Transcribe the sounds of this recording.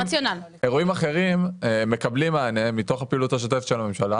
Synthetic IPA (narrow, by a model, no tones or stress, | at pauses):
at͡sjonal | e̞ʁuimaχe̞ʁimme̞kablimaːnemito̞χapiːluthaʃ̬oteft̪ʃelame̞mʃala